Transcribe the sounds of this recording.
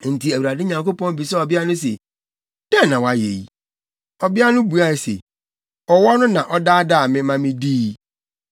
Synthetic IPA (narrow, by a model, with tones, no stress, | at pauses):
n̩˨tʰi˨æ˨wu˨ɾa˨dɪ˦ɲã˨ŋko˦pɔ̃˦n˦bi˨sɛ˦ɔ˨bɪ˦a˦nʊ̃˦s̬ḛ˨ | d̥ɛ̃˦˨nã˨wa˨jḛ˨i˦ | ɔ˨bɪ˦a˦nʊ̃˦bu˨a˦˨sḛ˨ | ɔ˨wɔ˦nʊ̃˦nã˨ʔɔ˦daː˦a˦da˦˨mɪ̃˦mã˦mɪ̃˦diː˦